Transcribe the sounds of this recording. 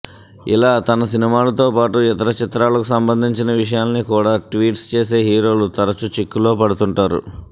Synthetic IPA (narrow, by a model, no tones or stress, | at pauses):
ḭlaːt̪ɐnɐsinimaːlɐt̪o̞ːpaːʈuɛt̪ɐɾɐt͡ʃit̪ɾaːlɐkusɐmbɐnd̪ʱiɲt͡ʃinɐʋiʂ̬ɐjaːnnikuːɽaːʈʋiːʈst͡ʃe̞ːse̞ːɦiːɾo̞ːlut̪ɐɾɐt͡ʃut͡ʃikːulo̞ːpɐɽut̪uɳʈaːɾṵ